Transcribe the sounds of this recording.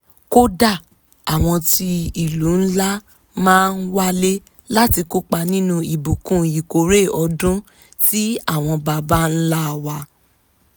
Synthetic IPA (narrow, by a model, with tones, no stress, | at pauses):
ko˦da˦˨ | a˨w̃ɔ̃˧ti˧i˨lu˨˦n̩˦la˦ | mãː˦˧n̩˦wa˦le˦ | la˦ti˧ko˦k͡pa˧nĩ˦nũ˧i˨bu˨kũ˦˨i˨ko˨ɾe˦˨ɔ˧dũ˦ | ti˦a˦˨w̃ɔ̃˧ba˧ba˦n̩˦la˦˨wa˧˦